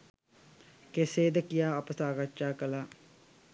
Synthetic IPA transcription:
keseːd̪əkijaːɐpəsaːɡaʃaːkəla

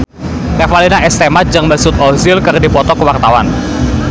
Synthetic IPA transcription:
t̪efalinaʔɛst̪emat̪̚d͡ʒaŋmasʊt̪̚ɔzɪlkɨrdipɔt̪ɔkəwart̪awan

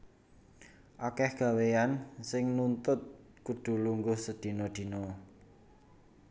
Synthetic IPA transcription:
ʔakɛhɡ̥ä̤weansɪŋnunt̪ʊt̪̚ | kud̪̥ṳluŋɡʊhsəd̪̥i̤nod̪̥i̤nɔ

